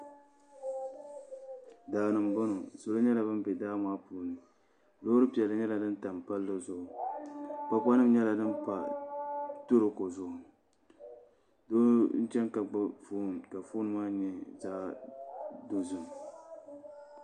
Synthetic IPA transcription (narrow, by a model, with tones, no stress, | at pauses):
daː˨nɨ˨mbo˦no˨so˨lo˦ɲɛ˦la˨bɨ˦m˦bɛ˨daː˦maː˦puː˦nɨ˨ | do˦ɾɨ˦pi˨ɛ˨lɨ˦ɲɛ˦la˨dɨ˦n˦ta˨mpa˦lːɨ˦zʊ˦ʔʊ˨ | pa˦k͡pa˦nɨ˦m˦ɲɛ˦la˨dɨ˦npa˨ | to˦ɾɨ˨ko˨zʊ˦ʔʊ˨ | do˦n̩˦t͡ʃɛ˦nka˨ɡ͡ba˦foː˦˨nka˨foː˦nɨ˦maː˦ɲɛ˨zaː˦ | do˦zɨ˨n˨